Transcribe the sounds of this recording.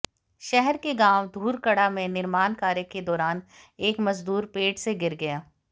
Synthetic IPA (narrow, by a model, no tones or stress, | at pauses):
ʃɛɦɛɾkeɡaːwd̪ʱuːɾkɐɽamẽnɪɾmaːnkaːɾjəked̪ɔːɾaːn | eːkmɐzd̪uːɾpeːʈseɡɪɾɡɐjaː